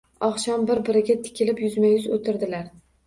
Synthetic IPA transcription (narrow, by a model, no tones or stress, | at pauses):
ɒχʃɒmbɪɾbɪɾɪɡʲat̪ʰɪ̥kʲɪlɪpjʊzmajʊzot̪ʰɪɾd̪ɪlaɾ